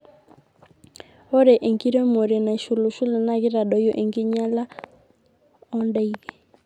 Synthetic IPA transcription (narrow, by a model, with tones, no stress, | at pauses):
ɔ˦ɾɛ˨ʔe˨ŋɡi˦ɾɛ˦mɔ˨ɾɛ˨na˨ʃu˨lu˨ʃu˦la˨na˦ɣi˦ɾa˨ɗɔ˨jɔ˦ʔe˨ŋɡi˦ɲa˦la˦ | ɔ˦nda˦i˦˨ɣɛ˨